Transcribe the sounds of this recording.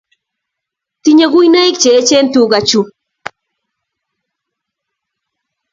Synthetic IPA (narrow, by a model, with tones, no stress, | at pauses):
ti˦ɲe˦ɡu˦jna˦i˦k̚t͡ʃeː˨˦t͡ʃe˦ntu˨ɡa˨t͡ʃu˨